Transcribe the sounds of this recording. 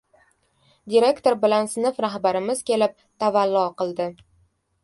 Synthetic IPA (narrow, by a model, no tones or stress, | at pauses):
d̪ʲiɾe̞kt̪oɾbɪlansɪnɪfɾaɦbaɾɪmɪzkʲʰe̞lɪp̚ | t̪ʰavalːɒqɨlˠd̪ɪ